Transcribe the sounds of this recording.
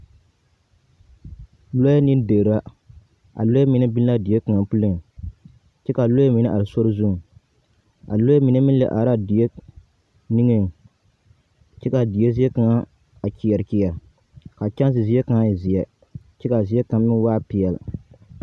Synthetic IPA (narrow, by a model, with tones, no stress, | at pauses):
lo˦ja˦nɨ˦n˦de˨ɾa˦ | ʔa̰˨lo˦ja˦mi˨nɨ˦bi˦n˦la˦di˨e˦kɨ˨ŋa˨pu˦lɨ˦ŋ˨ | t͡ʃɛ˦ka˨lo˦a˦mi˨nɨ˦ʔa˨ɾɨ˨so˦ɾɨ˦zu˦˨ | a̰˨lo˦ja˦mi˨nɨ˦mi˦n˦lɛ˨ʔa˨ɾa˦di˨je˦ | ni˦ŋɨ˦ŋ˨ | t͡ʃɛ˦ka˨di˨e˦zi˦ɛ˦ka˨ŋa˦ | a˨ki˨jɛ˨ɾki˨ja˨ɾ | ka˨t͡ʃa˦n˦s̬ɨ˨zi˦jɛ˦ka˨ŋa˦˨ji˨zi˨ɛ˨ | t͡ʃɛ˦ka˨zi˦ɛ˦ka˨mː˦ɪ˦n˦waː˦pi˨jɛ˨l